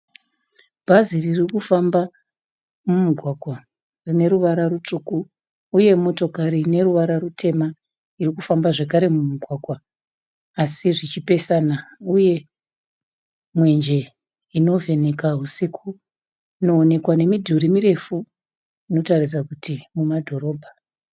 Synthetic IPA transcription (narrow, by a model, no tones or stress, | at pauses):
b̥ʱaziririkufamba | mumuɡʱwaɡʱwa | rine̞ɾuʋaɾaɾut͡ʂuku | uje̞mo̞to̞kaɾine̞ɾuʋaɾarutʰe̞ma | irikufambaʐe̞kaɾe̞mumuɡʱwaɡʱwaː | siʐit͡ʃipe̞sanauje̞ | mwe̞nd͡ʒe̞ | ino̞ve̞ne̞kaɦusikʰu | no̞ːne̞kwane̞midʱuɾimiɾe̞fu | ino̞tarisakutimumadʱo̞ɾo̞ːbʱa